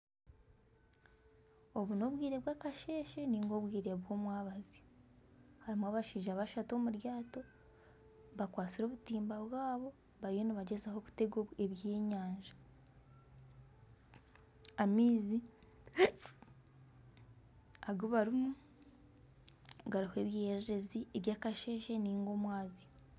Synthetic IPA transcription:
o̞βuno̞βwiːɾe̞βwaːkaʃe̞ːʃeniːŋɡo̞βwiːɾe̞βwo̞ːmwaːβazi | haɾimwaβaʃiːʒaβaʃato̞muɾjaːto̞ | βakwaːt͡siɾo̞ːβutiːmbaβwaːβo̞ | βaɾijo̞niβaɟe̞zaho̞ku̥te̞ɡoeβjeːɲaːɲʒḁ | amiːzi | aɡoβaɾumu | ɡaɾihwe̞ːβjeːɾeɾe̞zieβjaːkaʃe̞ːʃeniːŋɡo̞mwaːzijo

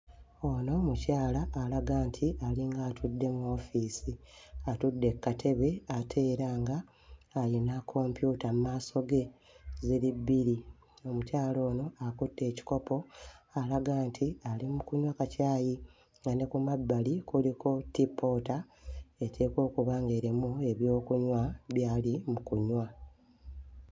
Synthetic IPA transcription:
o̞no̞mucaːlaʔːlaɡaːntʰiʔaliŋɡaːtʰudːe̞muo̞ːfiːsiatudːe̞kːatʰe̞βe̞atʰe̞ːɾaːŋɡaː | linakʰo̞mpjutamumaːso̞ɡe̞ | zilibːiɾi | o̞mucaːlo̞ːno̞akutːe̞ːci̥ko̞po̞alaɡaːntʰialimukuɲwakacaːji | ŋɡanekumabːalikuliko̞tipːo̞ːta | etʰe̞ːko̞ːkuβaːŋɡe̞ːɾimue̞βjo̞ːkuɲwaβjaːlimukuɲwa

